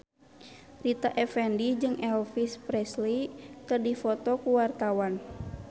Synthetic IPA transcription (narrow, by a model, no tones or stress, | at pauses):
rit̪aʔɛfɛndid͡ʒɨŋɛlfispɾɛslit̪ərdifɔt̪ɔkuwart̪awan